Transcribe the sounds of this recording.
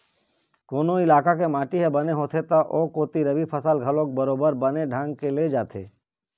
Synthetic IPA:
koːnoɪlaːkakemaːʈiɦɛbɐneɦoːt̪ʰet̪aʔoːkoːt̪iɾɐbipʰəsəlɡʱɐlõk̚bɐɾoːbəɾbəneɖʱãːŋɡkeled͡ʒaːt̪ʰḛː

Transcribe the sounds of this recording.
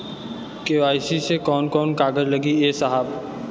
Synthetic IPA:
keaːɪsisekɔːnkɔːnkaːɡəd͡ʒlɐɡieːsəɦəb

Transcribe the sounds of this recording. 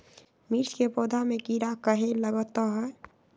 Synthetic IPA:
miɾskepoːd̪ʱamekiɾakəɦeləɡət̪ɔɦɛ

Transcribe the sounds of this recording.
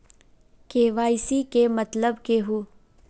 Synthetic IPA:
keːʋaːɪsikemɐt̪ləbkeɦuː

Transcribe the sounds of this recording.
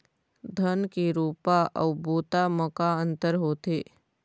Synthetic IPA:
d̪ʱənkiɾuːpaʔɐʊboːt̪aməkaə̃nt̪əɾɦoːt̪eː

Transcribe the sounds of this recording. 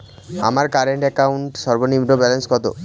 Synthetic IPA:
a̰maɾkaɾeɳʈɛkauɳʈʃɔɾbonimɾobɛlenskɔt̪o̰

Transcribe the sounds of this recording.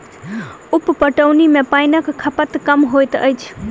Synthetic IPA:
uppəʈəwnimepajnəkkʰːəpət̪kəmɦojt̪ə̰jt͡ʃʰ

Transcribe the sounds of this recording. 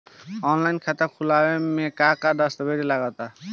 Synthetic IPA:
ɔnlajnkʰat̪akʰulawemekakad̪ɔst̪ɔbedilaɡat̪a

